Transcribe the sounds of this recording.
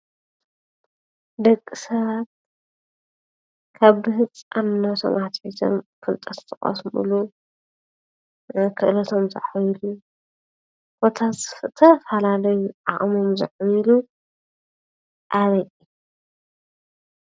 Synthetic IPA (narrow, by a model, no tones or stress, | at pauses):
d̪ɐkʼːisɐβat̪̚ | kʰaβbɨhɨt͡sʼanːɐt̪ʰo̰mʔat̪ħit̪ʰo̰mfɨlt̪ʼɐst̪ʼɨχʼɐ̰smɨ̰lu | kʰɨʔɨlɐt̪ʰomzɐ̰ħjilu | b̥o̞t̪ʰazt̪ʰɐfɐlalɐjuʕaχʼmomzɨ̰ʕjilu | ʔaβɐjʼi